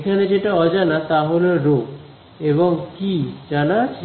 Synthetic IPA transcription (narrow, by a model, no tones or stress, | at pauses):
ekʰaned͡ʑeʈaɔd͡ʑanat̪aɦoleɾo | eβoŋkid͡ʑanat͡ɕʰe